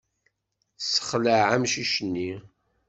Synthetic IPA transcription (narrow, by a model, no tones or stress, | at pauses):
sə̥χləʕamʃiʃənːi